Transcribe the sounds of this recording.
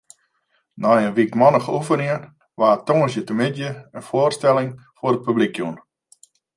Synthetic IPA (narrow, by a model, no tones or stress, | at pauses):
nɔjənʋikmɔnəxufəniən | ʋaːtoŋəsjətəmɪdjəənfoərstɛlɪŋfoɾət̚pyblikʰjun